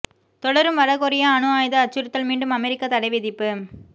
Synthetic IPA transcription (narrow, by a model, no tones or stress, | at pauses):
t̪ɔɽɐɾɯmʋɐɾɐɣɔɾɪjaɐnɯaːjðɐːt͡ʃːɯɾɯt̪ːɐlmiːɳɖɯmɐmɛɾɪkːɐt̪ɐɽɐɪʋɪðɪpːɯ